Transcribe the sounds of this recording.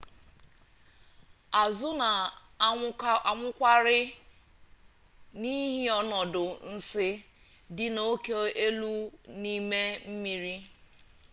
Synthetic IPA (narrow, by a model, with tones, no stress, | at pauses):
a˨zʊ˦na˨ | ŋʷʊ˦kʷa˦ɾɪ˦ | ni˦ɦi˦ɔ˦nɔ˨dʊ˨n̩˦sɪ˦ | dɪ˨no˦ke˦e˦lu˦ni˦me˦m̩˦mi˦ɾi˦